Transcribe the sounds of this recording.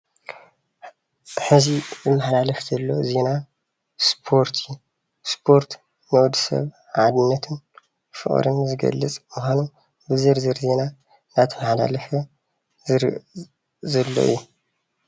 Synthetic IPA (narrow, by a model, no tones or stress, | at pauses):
ħɨzibɨmːaħalalɐfzɐlːo̞ze̞na | spʰo̞ɾt̪ʰju | spʰo̞ɾt̪ | nɐwd̪sɐ̰β | ʕad̪ɨnːɐt̪ʰɨn | fɨ̰χʼɾɨ̰nzɨɡɐ̰lːɨt͡sʼmuxʷanu | bɨzɨɾzɨɾze̞na | nat̪ʰɨmaħla̰lɐfɐ | zɨɾ | zɐlːo̰ʔḭjːu